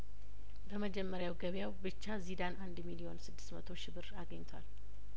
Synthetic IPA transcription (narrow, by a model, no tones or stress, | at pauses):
bəməd͡ʒɛmːəɾjawɡəβjawbɨt͡ʃːazid̪anʔand̪milijo̞nsɨd̪ːɨ̥st̪mət̪ʰo̞ʃɪβɨɾaɡəɲːt̪ʰwal